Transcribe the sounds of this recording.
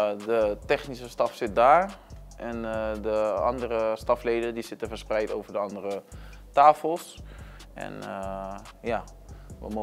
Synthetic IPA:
dətɛχnisəstɑfsɪt̚daːɹ | ʔɛndəɑ̰ndəɾəstɑfleːdədisɪtəfərsprɛjtoːvərdəɑndərə | taːfəlˠs | ʔɛ̰nə | ja | ʋə̰mo

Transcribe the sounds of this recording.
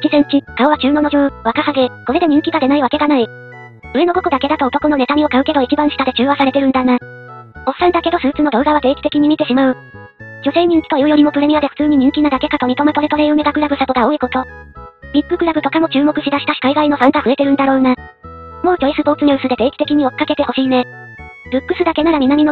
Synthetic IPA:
kʲizẽ̞ɲ̟t͡ɕikaoβat͡ɕɨːno̞no̞d͡ʑoːβakahaɡe̞ko̞ɾe̞d̪e̞ɲ̟ĩŋkʲiɡad̪e̞naiβake̞ɡanai | ɯ̟e̞no̞ɡoko̞d̪ake̞d̪at̪oot̪o̞kono̞ne̞t̪amʲio̞kaɯ̟ke̞d̪o̞it͡ɕibãɰ̃ɕi̥t̪ad̪et͡ɕɨːβasaɾe̞t̪e̞ɾɯ̟nd̪ana | o̞sãnd̪ake̞d̪o̞sɨːt͡sɨno̞d̪o̞ːɡaβat̪e̞ːkʲi̥t̪e̞kʲiɲ̟imʲit̪e̞ɕimaɯ̟ | d͡ʑo̞se̞ːɲ̟ĩnt͡ɕt̪ojojoɾʲimo̞pɯ̟ɾe̞miad̪e̞ɸɯ̥t͡sɨːɲ̟iɲ̟ĩŋkʲinad̪ake̞kat̪o̞mʲit̪o̞met̪o̞me̞t̪o̞ɾe̞iɯ̟me̞ɡ̪akɯ̟ɾaɡɯ̟sat̪o̞ɡao̞ːiko̞t̪o̞ɾʲikːɯ̟kɯ̟ɾabɯ̟t̪o̞kamo̞t͡ɕɨːmo̞kɯ̟ɕid̪aɕi̥t̪aɕi̥kaiɡaino̞sãŋkaɸɯ̟e̞t̪e̞ɾɯ̟nd̪aɾo̞ːna | mo̞ːt͡ɕoisɨpo̞ːt͡sɨɲʲoːsɨd̪e̞t̪e̞ːkʲi̥t̪e̞kʲiɲ̟io̞̥kːake̞t̪e̞ho̞ɕiːne | ɾɯ̟kːɯ̟sɨd̪ake̞naɾamʲinamʲino

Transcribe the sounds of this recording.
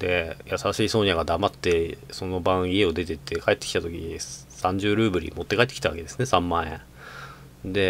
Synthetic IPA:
d̪e̞jasaɕiːsõ̞ɲjaɡad̪amat̪ːe̞so̞no̞bãɰ̃ie̞o̞d̪e̞t̪e̞t̪ʰːe̞kae̞t̪ːe̥kʲi̥t̪at̪o̞kʲiɲi | sãɲ̟d͡ʑɨːɾɯ̟ːbɯ̟ɾʲḭmo̞t̪ːe̞kaet̪ːki̥t̪aβa̰ke̞d̪e̞sɨne̞sãmːãːḛ̃ | d̪e̞

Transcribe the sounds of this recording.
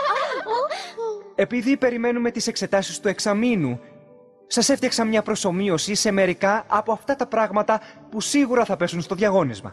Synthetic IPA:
e̞piðipe̞ɾime̞nume̞t̪ise̞kse̞t̪ɐsist̪ueksɐminu | sɐse̞ft̪ɐksɐmɲɐpɾo̞so̞mio̞siseme̞ɾikɐʔɐpo̞ɐft̪ɐt̪ɐpɾɐɣmɐt̪ɐpusiɣuɾɐθɐpe̞sunst̪o̞ðʝɐɣo̞nizmɐ̰

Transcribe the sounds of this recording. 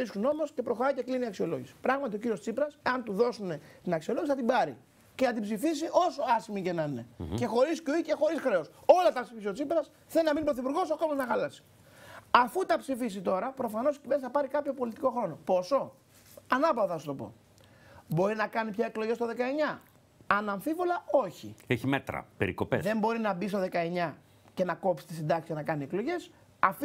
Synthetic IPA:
iskuno̞mo̞sce̞pɾoxo̞ɾɐjce̞kliniɐksio̞lo̞̰ʝisi̥pɾɐɣmɐt̪io̞ciɾiost͡sipɾɐseɐnt̪uðo̞sune̞t̪inɐksio̞loʝsiθɐt̪ibɐɾḭ | cenɐt̪̬ibzifis̬iʔo̞so̞ɐsimicenɐine̞̰ce̞xo̞ɾiscuice̞xo̞ɾisxɾe̞oso̞lɐt̪ɐpsiisiot͡sipɾɐs | θelinɐminbpɾo̞θipuɾɣo̞sakozmɐznɐxɐlɐsi̥ | ɐfut̪ɐpsifis̬it̪o̞ɾɐpɾo̞fɐno̞scivessθɐpɐɾikɐpço̞po̞lit̪i̥ko̞xɾo̞no̞po̞so̞ | ɐnɐpɐvðɐst̪o̞po̞̰ | bo̞ɾinɐkɐnipçɐe̞kloʝe̞st̪o̞ðe̞kɐe̞ɲɐ | ɐnɐɱfivolɐo̞çieçimet̪ɾɐ̰peɾḭko̞pḛsðe̞mbo̞ɾinɐbist̪o̞ðe̞kɐe̞ɲɐ | ce̞nɐko̞psi̥t̪isind̪ɐksi̥sjɐnɐkɐnie̞klo̞ʝe̞s | ɐfi

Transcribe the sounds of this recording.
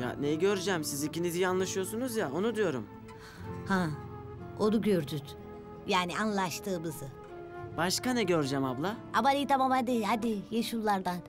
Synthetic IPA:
ja̰nejiɟøɾd͡ʒɛmsizicinizijanlˠaʃɯjosunuzjao̞nud̪ijo̞ɾṵm | hã | od̪uɟøɾd̪yt̪ | jaːnianlˠaʃt̪ʰɯːmɯzɯ | b̥aʃkanɛɟøɾd͡ʒɛmablˠaabaɾʲit̪ʰamamad̪ihad̪ijeʃullːˠaɾd̪an

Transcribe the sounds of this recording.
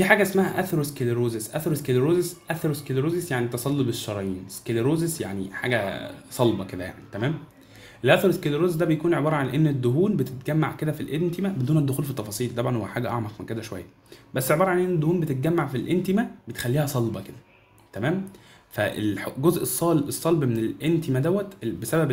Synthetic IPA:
fiːħaːɡæesmæhæʔæθɑɾˤeskeleɾoːzesʔæθɑɾˤeskeleɾoːzesʔæθɑɾoskeleɾoːzesjaʕnit̪ɑsˤɑlːobeʃːɑɾˤɑjiːneskeleɾoːzesjaʕnḭħa̰ːɡæsˤɑlbɑked̪æ̰ja̰ʕnit̪æmæːm | ʔelʔæθɑɾˤeskeleɾoːzes̬d̪æbejækuːnʕebɑːɾˤɑʕanʔenːed̪ːoɦuːnbet̪et̪̚ɡæmːaʕked̪æfilʔent̪emæbed̪uːned̪ːoxuːlfit̪ːɑfɑsˤiːlt̪ɑbʕɑnhowħaːɡæʔɑ̰ʕmɑqmenked̪æʃowæ̰jːæ | bæsːeʕebɑːɾˤɑʕanʔenːed̪ːouːnbet̪et̪̚ɡæmːaʕfilʔent̪emæbet̪e̥xælːiːhæsˤɑlbɑked̪æ̥ | t̪æmæːm | fæʔḛlħɡozʔesˤːɑlʔesˤːɑlbmenelʔent̪emæd̪æwːæt̪besæbæb

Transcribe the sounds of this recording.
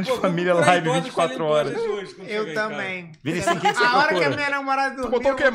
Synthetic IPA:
d͡ʒɪfamilɐlajvivĩnt͡ʃɪ̥kwat̪ɾuɔɾɐʃ | ewt̪ɐ̃mbẽj̃ | viɾĩsĩkẽseɔɾɐkoɐmĩɲɐnɐ̃moɾad̪ɐd̪ubot̪õkẽm

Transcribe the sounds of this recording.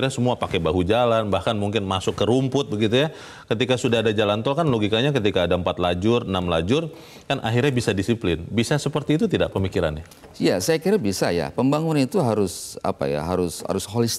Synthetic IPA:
rɲasəmuapakebaɦud͡ʒalanbahkanmuŋkɪnmasʊkːəɾumpʊt̪̚bəɡit̪uja | kət̪ikasudahadad͡ʒalant̪ɔlkanloɡikaɲakət̪ikaːdaəmpat̪lad͡ʒʊrnamlad͡ʒʊr | kanʔa̰ɦirɲabisadisiplɪnbisasəpərt̪iːt̪ut̪ida̰ʔpəmikiɾa̰nɪ | jasajakiɾabisa̰ja̰pəmbaŋunanit̪uɦaɾʊsa̰pa̰ja̰ɦa̰ɾʊsha̰ɾʊsholist̪

